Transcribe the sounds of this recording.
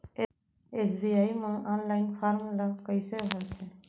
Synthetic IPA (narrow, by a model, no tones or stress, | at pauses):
esbiajmãʔanlajnpʰaɾmlakəjsebʱaɾt͡ʃʰɛ